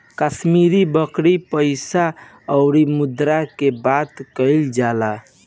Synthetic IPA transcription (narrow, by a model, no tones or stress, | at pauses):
kəsmiɾibəkɾipəɪsa | əʊɾimud̪ɾakebat̪kəɪld͡ʒala